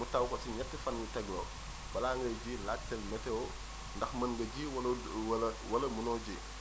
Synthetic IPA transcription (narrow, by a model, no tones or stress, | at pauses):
mutɐwkɔsiɲɛtːifɐnɲutɛɡlɔ | b̥ɐlaːŋɡɐjɟilak̚tɛlmɛtɛɔ | ndɐxmɐnɡɐɟiwɐl | wɐlɐwɐlɐmunɔːɟi